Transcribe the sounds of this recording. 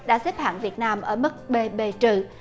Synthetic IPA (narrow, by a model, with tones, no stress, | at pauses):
ɗa̰ː˧˥sɛ˦˥p̚ha̰ː˧˩˨ŋvi˨˩ət̚naː˧mʔəː˧˩mɨ˦˥k̚ɓe˧ɓe˧t͡ɕɨ̰˧˨